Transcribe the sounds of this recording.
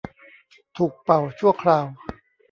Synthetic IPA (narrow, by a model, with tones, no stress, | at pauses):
t̪ʰuː˨˩k̚pa˨˩wt͡ɕʰu˥˩əkʰɾaː˧w